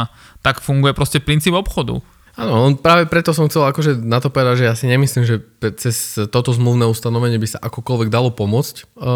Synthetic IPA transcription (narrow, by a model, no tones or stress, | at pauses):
t̪akfuŋɡujɛpɾɔscɛpɾint͡siːbɔpxɔd̪ṵ | aːnɔɔnpɾaːʋɛpɾɛt̪ɔs̬ɔmxt͡sɛlakɔʒɛnat̪ɔpɔʋɛd̪aɟʒɛjaːsiɲɛmisliːmʒɛpt͡sɛst̪ɔt̪ɔzmluʊnɛːust̪anɔʋɛɲɪɛbisaʔakɔkɔlʋɛɡd̪alɔpɔmʊɔt͡sc